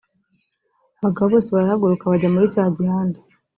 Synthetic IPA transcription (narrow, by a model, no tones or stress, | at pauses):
aβaɡaβaβo̞ːseβaɾahaɡuɾukaβaɟamuɾicaːɟihaːnde